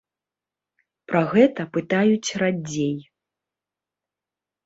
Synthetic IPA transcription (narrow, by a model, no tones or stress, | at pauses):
pɾɐɣɛt̪ɐpɨt̪ajut͡sʲrad͡zʲej